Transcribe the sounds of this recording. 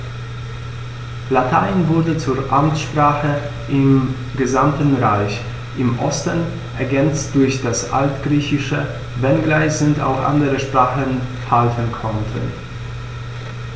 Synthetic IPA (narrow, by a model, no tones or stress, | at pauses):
latʰaɪnvʊɐdət͡suːɐʔamt͡sʃpʁ̥aːχə | ʔɪm | ɡəzamtn̩ʁaɪç | ʔɪmʔɔstən | ʔɛɐɡɛnt͡std̥ʊɐçd̥asʔa̰ltɡ̥ʁiːçɪʃə | vɛnɡlaɪçsʊnta̰ʊxʔa̰ndəʁəʃpʁ̥aːχən | haltʰənkʰɔntʰə̰n